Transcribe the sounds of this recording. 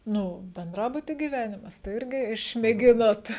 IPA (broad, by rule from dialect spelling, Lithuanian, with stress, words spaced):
ˈnʊ bʲɛnˈdrɑːbʊtʲiː ɡʲiːˈʋʲæːnʲɪmɐs tɐɪ ˈɪrʲɡʲɪ ɪʃʲmʲeːˈɡʲɪnoːt